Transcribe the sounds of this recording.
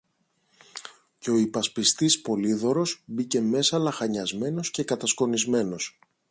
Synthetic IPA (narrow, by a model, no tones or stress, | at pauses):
ce̞o̞ipɐspist̪ispo̞liðo̞ɾo̞sbice̞me̞sɐlɐxɐɲɐzme̞no̞sce̞kɐt̪ɐsko̞nizme̞no̞s